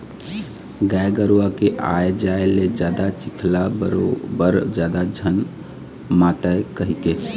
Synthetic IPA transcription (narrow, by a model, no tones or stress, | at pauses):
ɡajɡəɾwakeʔa̰ed͡ʒaeled͡ʒad̪at͡ʃikʰlabəɾobəɾd͡ʒad̪ad͡ʒʱən | mat̪əekəɦike